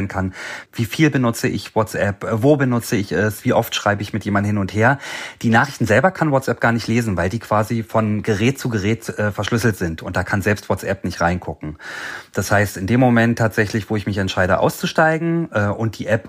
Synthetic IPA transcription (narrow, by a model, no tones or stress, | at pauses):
ənkʰanviːfiːlbənʊt͡səʔɪ̰çvɔt͡sʔɛpvoːbənʊt͡səɪçɛsv̥iːʔɔftʃʁ̥aɪbəɪçmɪtjeːmandn̩hɪnʊntheːɐd̥iːnaːχʁ̥ɪçtn̩zɛlbɐkʰanwɔt͡sʔɛp̚ɡ̥aːɐnɪçtleːzn̩vaɪldiːkʰv̥aːzifɔnɡəʁɛːt̚t͡suːɡəʁɛːtʔɛːfɛɐʃlʏsl̩tz̥ɪntʊnt̚d̥aːkʰanzɛlpstv̥ɔt͡sʔɛpnɪçtʁaɪnkʰʊkŋ̩d̥ashaɪstɪndeːmːomɛntʰːaːtz̥ɛçlɪçv̥oːɪçmɪçɛntʃaɪɾə̰ʔa̰ʊst͡suʃtaɪɡŋ̩ʔɛːʔʊnt̚d̥iːʔɛp